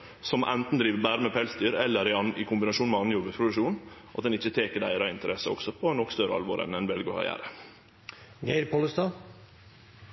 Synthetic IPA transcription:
sɔmʔɛ̰nt̪n̩d̪ɾiːʋəbæːɾəmɛpʰɛlsd̪yːɾɛlːəɾɪɪkʰʊmbɪnɑʃuːnmɛɑnjʊʋəpʰɾʊd̪ʉʂuːnʔɑt̪̚d̪ɛnɪçːət̪ʰeːkəɖæ̰ɪɾɑɪnt̪əɾɛsəɔ̰ksɔpʰɔnɔkst̪œɾəɑ̰lʋo̰ːɾʔɛ̰nɛnʋɛlɡəkɑ̰ɾjæ̰ːɾə | ɡeɪɾpʰoləst̪ɑ

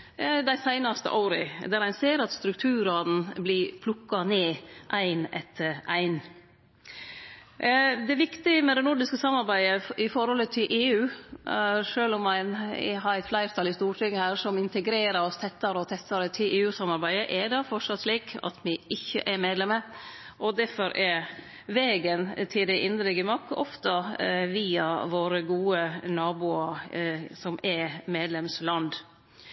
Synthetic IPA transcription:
d̪æɪsæɪnɑst̪ə̰ʔoːɾəd̪æɾæɪnseːɾɑt̪st̪ɾʉk̚t̪ʰʉːɾɑd̪n̩blɪpʰlʊkːɑneːʔæɪnɛ̰t̪ʰəɾʔæ̰ɪn | d̪ɛʋɪkt̪ɪəmɛd̪ɛnʊɖɪskəsɑmːɑɾbæɪəɪfɔɾhɔlət̪ʰɪlʔeːʉː | ʂøːlɔmːæɪnɦɑɾæɪt̪flæɪɾt̪ʰɑlɪst̪uːʈʰɪŋːəhæːɾʂɔmɪnt̪əɡɾeːɾəɾɔst̪ʰɛt̪ːɑɾəɔt̪ʰɛst̪ːɑɾət̪ʰɪlʔeːʉːsɑmɑɾbæɪd̪əʔɛd̪ɑfɔʂɑt̪sliːkɑ̰t̪mɪʔɪçːə̰ʔɛɾmeːd̪lɛmə | ʔɔd̪æɾfɔɾʔɛɾ | ʋeːɡənt̪ʰɪld̪ɛʔɪnd̪ɾɪɡəmɑkːɔ̰ft̪ɑʋiːɑʋoːɾəɡuːənɑːbuːɑɾsɔmɛmeːd̪lɛmslɑnd̪

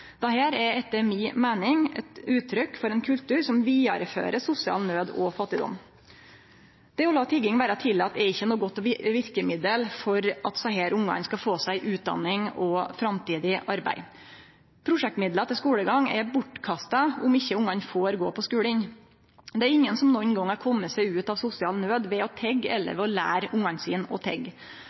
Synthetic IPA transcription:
d̪̥ɛhæːɾɛɾɛt̪ːəɾmiːmeːnɪŋɛ̰t̪ʉːt̪ʰːɾʏkfɔɾɛɪnkʰʉlt̪ʉːɾsɔmʋiːɑɾfø̰ːɾəsʊsɪɑ̰lnøːd̪ɔ̰fɑt̪ːɪd̪ɔ̰mː | d̪̥ɛɔlɑːt̪ʰɪɡɪŋʋæːɾət̪ʰɪlɑt̪ːɛɾɪçːənuːɡɔt̪ːɔʋɪɾkəmɪd̪əlfɔɾʔɑt̪sɑɦeːɾʊŋːɑ̰ŋskɑfoːsæɪʔʉːt̪̚d̪ɑ̰nːɪŋɔfɾɑmt̪iːd̪ɪʔɑɾbæ̰ɪ | pʰɾʊʂɛk̚t̪mɪd̪lət̪ʰɪlskuːləɡɑŋɛ̰bʊʈːkʰɑst̪ɑʊmɪçːəʊŋɑɲfoːɾɡoːpɔskʉːɽɪn | d̪ɛæɾɪŋːənsɔmnɔnɡɔŋːɑɾkʰɔmːəsæɪʉːt̪ɑʋsʊsɪɑːlnøːd̪ʋɛɔt̪ʰɛɡːɛ̰lːə̰ɾʋɛɔlæ̰ːɾʊŋɑnsiːnɔ̰t̪ʰɛ̰ɡ

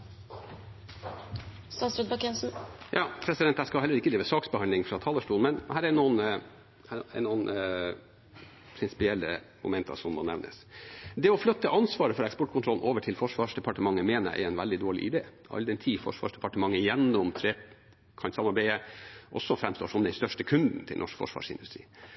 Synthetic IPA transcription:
st̪ɑnsɾɛd̪bɑkɛnsn̩jɑːpʰɾɛsɪd̪ɛnt̪ːæɪskɑlhɛlːəɾɪkəd̪iːʋəsɑːksbəhɑnɪŋfɾɑt̪ʰɑːləʂʈuːnmɛnhæːɾɛnuːn | æɛ̰nuːn | pʰɾɪnsɪ̥pɪɛlːə̰ | mʊ̰mɛnt̪ʰɑ̰sɔmːɔnɛ̰ʋnə̰sd̪ɛɔflœt̪ːəʔɑnsʋɑːɾəfɔɾɛkspɔʈ̚kʰʊnʰɾɔln̩ʔoːʋəʈʰɪlfɔʂʋɑːʂd̪ɛpʰɑʈəmɑŋːəmeːnəʔɛ̰ɾɛnʋæld̪ɪd̪oːɭɪ̰ʔɪd̪ḛː | ɑ̰ld̪ɛnt̪ʰiːfɔ̰ʂʋɑ̰ːʂɖ̪ɛpɑʈəmɑŋːəjɛnːɔmt̪ʰɾeː | kʰɑnsɑmɑɾbæɪəʔɔ̰sːɔfɾɛmst̪o̰ːʂɔmd̪ɛnst̪œʂʈəkʰʉnd̪n̩t̪ʰɪlnɔ̰ʂkfɔ̰ʂʋɑ̰ːʂɪ̰nd̪ʉst̪ɾḭː

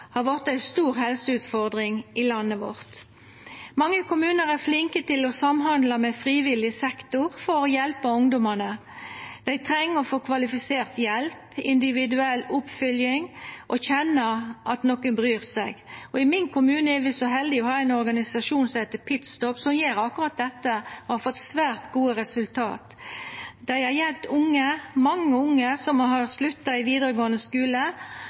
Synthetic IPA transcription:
hɑʋɔʁt̪æɪst̪uːɾhɛlsəʉːt̪fɔʁd̪ʁɪŋʔɪlɑnːəʋɔ̰ʁt̪ | mɑŋːəkʰʊmʉːnəʁæʁflɪŋkət̪ɪlɔsɑmɦɑnd̪lɑmɛfʁiːʋɪlɪəsɛkt̪ʊʁfɔɾɔjɛlpəʊŋd̪ɔmənə | d̪̥ɛɪt̪ʰʁɛŋːəɔfoːkʰʋɑlɪfɪseːʁt̪jɛlpɪnd̪ɪʋɪd̪ʉɛlːʊpfʏljɪŋʔɔçɛnːəʔɑt̪nɔkənbɾyːɾsæɪɡɔɪmɪnkʰʊmʉːnəɛɾʋɪsɔɦɛld̪ɪɔhɑːæɪnɔɾɡɑnɪsɑʂuːnsɔet̪əpʰɪt̪st̪ɔpsɔmjeːɾɑkːʊɾɑt̪̚d̪ɛt̪ːəɔhɑɾfɔt̪ːsʋæːɾt̪ɡuːəɾɛsʉlt̪ʰɑ̰ːt̪ | d̪̥æɪhɑɾjɛlp̚t̪ʊŋːəmɑŋːəʊŋːəsɔmɦɑɾslʉt̪ːɑɪʋiːd̪əɾəɡoːənəskʉːlə

